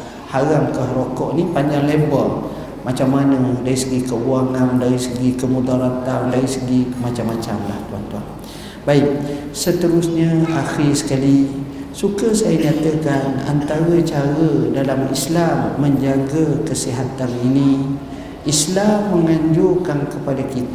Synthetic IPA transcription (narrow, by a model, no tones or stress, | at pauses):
haɾamkəhɾokɔʔnipaɲd͡ʒaŋlɛmbəl | mat͡ʃamːanədaɾisəɡikəuaŋandaɾisəɡikəmudaɾat̪amdaɾisəɡimat͡ʃamːat͡ʃa̰mla̰ht̪ua̰nt̪ua̰n | baiʔ̚sət̪əɾʊsɲəaxisə̥kali | sukəsajəɲat̪əkana̰nt̪aɾət͡ʃaɾədalamislamːəɲd͡ʒaŋɡəkəsiɦat̪anini | islamːəŋaɲd͡ʒʊrkankəpadakit̪